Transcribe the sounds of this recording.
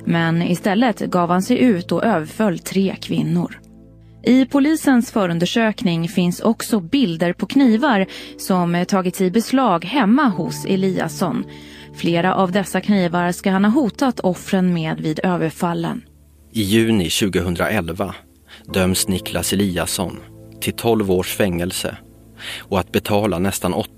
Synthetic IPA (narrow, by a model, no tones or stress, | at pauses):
mɛnɪst̪ɛlːət̪ɡɑːvhansɛjʔʉ̟ːt̪ɔʔøːvəɾfœlːt̪ʰɾeːkʰvɪnːʊɾ | ʔɪpʰʊliːsənsfœːɾɵnd̪əʂøːknɪŋfɪnsɔksɔbɪld̪əɾpʰɔkʰniːvaɾsɔmt̪ʰɑːɡɪt̪sɪbɛslɑːɡhɛmːahʊsɛ̰liːa̰sɔnfleːɾaʔavd̪ɛsːakʰniːvaɾskaɦanhaɦuːt̪at̪ʰɔfɾənmeːd̪viːd̪øːvəɾfalːə̰n | ɪjʉ̟ːnɪɕʉ̟ːɡəɦɵnd̪ɾa̰ʔɛlva | d̪œmsnɪkʰlasɛliːa̰sɔ̰nt̪ʰɪlt̪ʰɔlvoːʂfɛŋːɛlsə̰ | ɔat̪̚bɛt̪ʰɑːlanɛst̪anɔ